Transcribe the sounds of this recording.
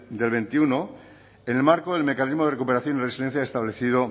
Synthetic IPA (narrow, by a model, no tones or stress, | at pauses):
d̪e̞lβe̞nt̪iuno | ene̞lmaɾkoðe̞lme̞kanizmo̞ð̞e̞rekupeɾaθjoniresiðe̞n̟θjaest̪aβle̞θiðo